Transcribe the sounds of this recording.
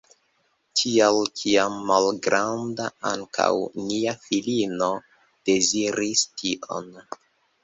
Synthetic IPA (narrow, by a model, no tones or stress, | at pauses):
tʰialkʰiamːalɡɾandaaŋkʰa̰wniafilino̞ | d̥e̞ziɾistʰiʔo̞̰n